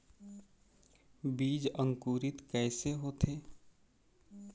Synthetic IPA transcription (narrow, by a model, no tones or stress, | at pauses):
biːd͡ʒə̃ŋkuːɾɪt̪kɛːseɦoːt̪ʰeː